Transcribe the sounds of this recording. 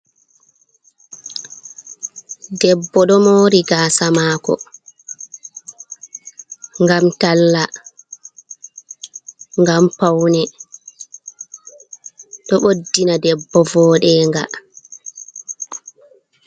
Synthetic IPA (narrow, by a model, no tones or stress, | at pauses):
dɛbːɔɗɔmoːɾiɡaːsamaːkɔ̰ | ŋɡamtalːa | ŋɡampawnɛ | ɗɔɓodːinadɛbːɔvɔːɗɛːŋɡa̰